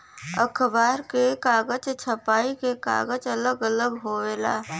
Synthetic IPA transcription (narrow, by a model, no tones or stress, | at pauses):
əkʰbaːɾkekaːɡət͡ʃt͡ʃʰəpaːikeka̰ːɡət͡ʃələɡələɡɦoːʋeːla̰ː